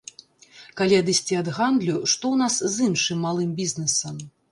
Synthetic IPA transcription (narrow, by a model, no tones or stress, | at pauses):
kalʲiɐd̪ɨsʲt͡sʲiɐd̪ɣand̪lʲuʂt̪ɔwnaszɨnʂɨmːalˠɨmbʲiznɛsɐm